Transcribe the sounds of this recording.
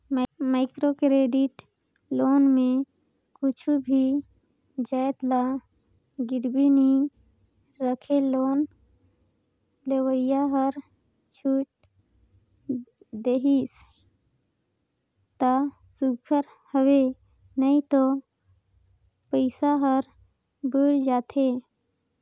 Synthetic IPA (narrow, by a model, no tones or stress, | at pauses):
maɪkɾokɾeːɖiʈ | loːnmẽ | kʊt͡ʃʰubʱi | d͡ʒəjt̪la | ɡɪɾbini | ɾəkʰeloːn | lewəjaɦəɾ | t͡ʃʰuːʈ̚ | d̪eɦis | t̪a | suɡʰəɾ | həwe | nəĩt̪o | pəɪsaɦəɾ | bəɽd͡ʒaːt̪ʰeː